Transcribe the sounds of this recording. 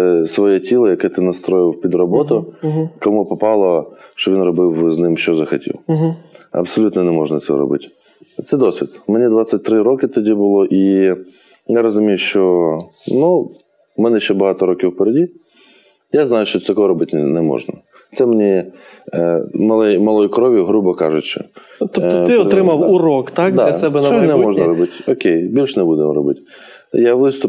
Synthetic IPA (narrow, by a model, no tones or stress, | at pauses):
sʋɔjɛtʲilˠɔjɐkɛt̪ɪnɐst̪ɾɔjɪpʲid̪ɾɔbɔt̪ʊkɐmupɐpɑlˠɔʃt͡ʃɔʋʲinrɔbɪwznɪmʃt͡ʃɔzɐxɐtʲḭwɦɐ̰psɐlʲut̪nɔnɛmɔʐnɐsʲɛ̰ɾɔ̰bɪ̰tʲ | t̪sɛd̪ɔsʲʋʲid̪menʲid̪ʋat̪sʲɐt̚ʲt̪ɾɪɾɔkɪt̪ɔdʲibʊlˠɔʔi | jaɾɐzʊmʲijʊʃt͡ʃɔnu | mɛnɛʃt͡ʃɛbɐɦɑt̪ɔɾɔkʲiwpeɾedʲi | jaznɑjʊʃt͡ʃɔɛt̪ɐkɔɦɔɾɔbɪtʲnɛmɔ̰ʒnɐ̰ | t̪sɛmenʲi | mɐlˠɛjmɐlˠɔjʊkɾɔʋʲjʊɦɾubɔkɑʒʊt͡ʃɪ̰ | t̪ɔt̪ɪɔt̪ɾɪmɐwuɾɔkt̪akd̪alʲɐsɛbɛɔnɛmɔʒnɐɾɔbɪtʲɔkʲejbʲilʲʃnɛbud̪emɔɾɔbɪtʲ | jaʋɪst̪ʊ